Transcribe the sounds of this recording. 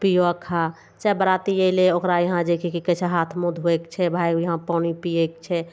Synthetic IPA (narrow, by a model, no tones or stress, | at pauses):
pijoəkʰːa | t͡ʃaːebəɾaːt̪ijeɪleokɾajɐɦãd͡ʒ̪ekʰikikət͡ʃʰaɦat̪ʰmõd̪ʱɦoekt͡ʃʰɛbʱaːjjɐɦãpaːñipijekt͡ʃʰɛ